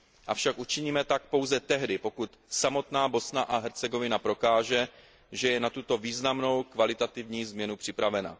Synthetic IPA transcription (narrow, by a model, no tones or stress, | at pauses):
ʔafʃakʔut͡ʃɪɲiːmɛt̪ak̚po̞wzɛt̪ɛɦdɪpo̞kut̪samo̞t̪naːbo̞snaʔaɦɛɾt͡sɛɡo̞vɪnapɾo̞kaːʒɛ | ʒɛjɛnat̪ut̪o̞viːznamno̞wkvalɪt̪at̪ɪvɲiːzmɲɛnupr̝̥ɪpɾavɛna̰